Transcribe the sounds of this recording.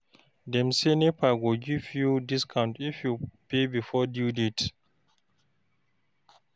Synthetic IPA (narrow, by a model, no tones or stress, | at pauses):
dɛ̃msenepaɡuɡivjudiskʰãʊ̃ntifjupebifɔdjudit